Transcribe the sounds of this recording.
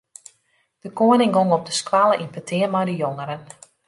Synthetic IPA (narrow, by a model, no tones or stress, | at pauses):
d̥əkoənɪŋɡoŋɔp̚dəskwalˠəʔinpətʰɪərmajdəjoŋəɾən